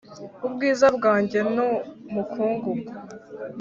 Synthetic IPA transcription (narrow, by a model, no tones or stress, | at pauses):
ubɡiːzabɡaːɲɟe̞nomukʰuːŋɡu